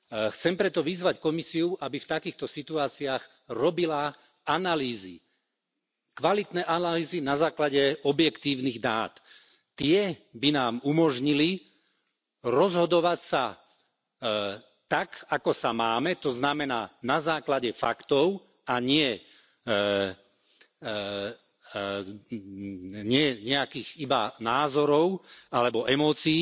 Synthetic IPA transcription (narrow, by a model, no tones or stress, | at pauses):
xt͡sɛmpɾɛt̪ɔʋizʋackɔmisiuʔabift̪akiːxt̪ɔsit̪uaːt͡siaːɣ | ɾɔbila | analiːzḭ | kʋalit̪nɛʔanaliːzinazaːklaɟɛɔbjɛkt̪iːʊniɣd̪aːt̪ː | ɪɛbinaːmumɔʒɲili | ɾɔzɦɔd̪ɔʋacsa | t̪akakɔsamaːmɛt̪ɔznamɛnaːnazaːklaɟɛfa̰kt̪ɔʊ | aɲɪɛ | ɲɪɛɲɛakiːɣiba̰naːzɔɾɔʊalɛbɔʔɛmɔːt͡siː